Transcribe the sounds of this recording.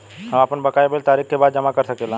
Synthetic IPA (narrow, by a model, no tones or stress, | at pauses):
həmaːpəɳbəkaːjebelt̪aːɾikkebaːd̪d͡ʒɐmakəɾsəkelãː